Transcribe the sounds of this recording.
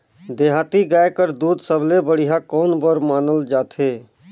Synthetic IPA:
d̪eːɦaːt̪iɡaːekəɾd̪uːd̪səblebəɽ̤ɪɦakɔːnbəɾmaːnəld͡ʒaːt̪ʰeː

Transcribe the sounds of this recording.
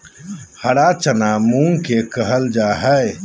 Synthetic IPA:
hɐɽat͡ʃənamũːŋkekəɦəld͡ʒaːɦɛe

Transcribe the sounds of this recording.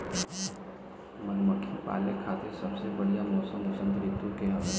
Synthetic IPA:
mənməkʰːipa̰ːlekʰaːt̪esɐbsebɐɽijamɔːsəmʊsə̃nd̪ɾɪk̚t̪ũkeɦɐʋe

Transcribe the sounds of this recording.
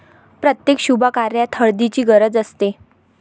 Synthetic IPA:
pɾət̪jekɕubʱakaɾjat̪ʰəɭd̪it͡ɕiːɡəɾəd͡zəst̪e

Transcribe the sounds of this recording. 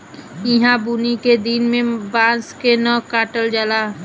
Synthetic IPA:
ɪ̃ɦãbuːniked̪inmẽbãːnskenəːkaːʈəld͡ʒaːlaː

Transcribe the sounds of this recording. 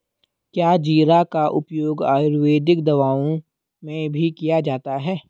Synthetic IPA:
kjaːd͡ʒiːɾakaʔʊpjoːɡa̰ːɾʋeːd̪ɪkd̪ɐʋaːõ | mẽbʱikijad͡ʒaːt̪aɦɛː

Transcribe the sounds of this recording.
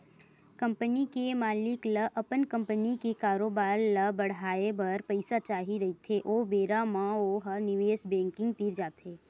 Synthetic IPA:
kɐ̃mpənikemaːlɪkləʔɐpənkɐ̃mpənikekaːɾoːbaːɾlɐbɐɽ̤aːebɐɾpɐɪsat͡ʃaːɦiɾɐɦit̪ʰeʔoːbeːɾamãoːɦənɪʋeːsbɛ̃ːŋkɪ̃ŋɡt̪iːɾd͡ʒaːt̪ɦeː

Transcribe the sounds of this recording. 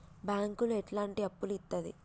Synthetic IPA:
baːŋkulueʈlaːɳʈiɐpːulit̪ːɐd̪ḭ

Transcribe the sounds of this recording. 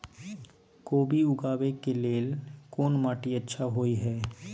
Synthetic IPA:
koːbiʊɡaːbekeleːlkoːnmaːʈiətːʃʰaɦoːiɦɛː

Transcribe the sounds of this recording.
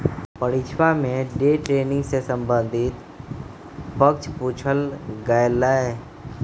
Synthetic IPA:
pəɽit͡ʃʰʋamẽɖeːʈɾeːnɪ̃ŋɡsesə̃mbə̃nd̪ʱit̪ | pəkt͡ʃʰpuːt͡ʃʰəlɡaːjəlːaːɦɛː

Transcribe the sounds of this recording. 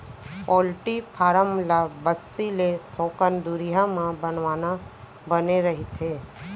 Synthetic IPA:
pɔːlʈipʰaːɾəmlabəst̪ilet̪ʰoːkənd̪uɾiɦamãbənʋaːna | bəneɾɐɦit̪ʰeː

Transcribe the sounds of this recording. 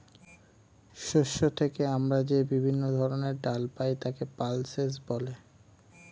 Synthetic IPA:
ʃuʃːot̪ʰekeamɾad͡ʑebibʱinːod̪ʱɔɾoneɾɖalpajt̪akepalses̬bɔle

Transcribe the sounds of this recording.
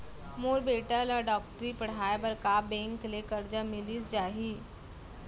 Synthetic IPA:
moɾbeʈalaɖɔk̚ʈəɾiːpəɽ̤ajbəɾkabeŋklekəɾd͡ʑəmiliːsd͡ʑaɦiː

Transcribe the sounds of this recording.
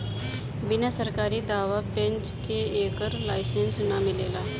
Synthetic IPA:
bɪnasəɾkaːɾid̪aːʋapẽnt͡ʃkeeːkəɾlaːɪsensnamɪleːlaː

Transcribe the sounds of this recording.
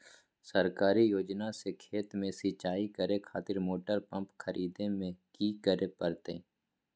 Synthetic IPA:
səɾkaːɾijoːd͡ʒnasekʰeːt̪mẽsit͡ʃaːikəɾekʰaːt̪ɪɾmoːʈəɾpə̃mpkʰəɾiːd̪ẽmẽkiːkəɾepəɾt̪ḛː

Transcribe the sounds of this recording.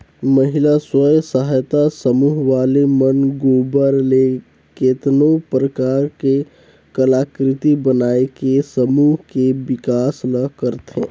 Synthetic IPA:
məɦɪlaswəjsəɦajt̪asəmuːɦʋaːlemənɡoːbəɾle | keːt̪nopɾəkaːɾke | kəlaːkɾɪt̪ibənaːekesəmuːɦkebɪkaːsnəkəɾt̪ḛ̃ː

